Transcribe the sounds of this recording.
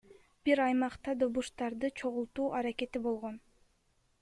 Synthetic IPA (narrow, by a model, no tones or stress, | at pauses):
b̥iɾɑjmɑqt̪ɑd̪o̞βuʃt̪ɑɾd̪ɯt͡ʃʰo̞ʁulˠt̪uːʔɑɾake̞t̪ibo̞lˠʁo̞n